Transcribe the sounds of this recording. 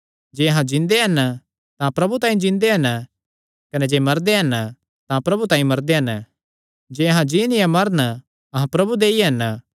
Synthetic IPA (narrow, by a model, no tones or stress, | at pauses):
d͡ʒeːɐɦãd͡ʒɪ̃nd̪eɦɐn | t̪ãpɾɐbut̪ãːĩd͡ʒɪ̃nd̪eɦɐn | kɐnɛd͡ʒeːmɐɾd̪eɦɐn | t̪ãpɾɐbut̪ãːĩmɐɾd̪eɦɐn | d͡ʒeːɐɦãd͡ʒiːnɪjãmɐɾn | ɐɦãpɾɐbud̪eːiɦɐn